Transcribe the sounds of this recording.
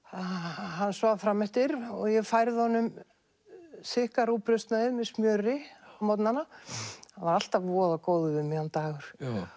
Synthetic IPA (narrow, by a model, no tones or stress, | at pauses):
ahanːsvaːðfɾaːmɛht̪ɪɾɔɣjɛfajɾðɪhɔnʏm | sɪhkaɾupɾʏst̪naɪðmɛðsmjœːɾɪmɔwt̪nanahanvaɾal̥t̪avvɔːðakoːwðʏʏmihant̪aːɣʏɾ̥